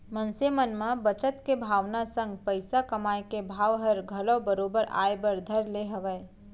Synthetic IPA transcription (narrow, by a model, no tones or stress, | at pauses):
mə̃nsemənmãbət͡ʃət̪kebʱaːʋnasə̃ŋɡpəɪsakəmaːekebʱaːʋɦəɾɡʱɐlõbəɾoːbəɾʔa̰ːjbəɾd̪ʱəɾleɦəʋə